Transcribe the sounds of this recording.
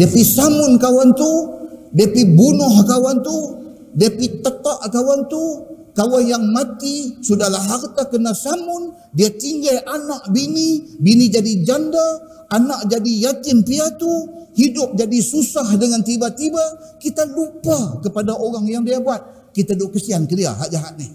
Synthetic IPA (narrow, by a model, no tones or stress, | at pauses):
diapisamʊnkawant̪udiapibunʊhkawant̪u | diapit̪ət̪aʔkawant̪u | kawanjaŋmat̪isudahlaɦart̪akənasamʊn | diat̪iŋɡajʔanaʔbinibinid͡ʒadid͡ʒanda | anaʔd͡ʒadijat̪ɪnpiat̪uhidʊp̚d͡ʒadisusahdəŋant̪ibat̪iba | kit̪alupakəpadaʔoɾaŋjaŋdiabuat̪̚ | kit̪adukəsiankədia̰ɦaʔd͡ʒaɦaʔnih